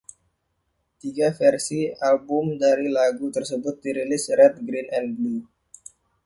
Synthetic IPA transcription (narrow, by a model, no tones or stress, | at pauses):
t̪iɡafɛrsialbʊmdaɾilaɡut̪ərsəbʊt̪̚diɾilɪsrɛt̪̚ɡɾinɛnblu